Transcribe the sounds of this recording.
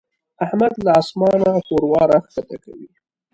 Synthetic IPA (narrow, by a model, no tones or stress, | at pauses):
ahmad̪laɑsmɑnaxoɾwɑɾaxkat̪aka̰wi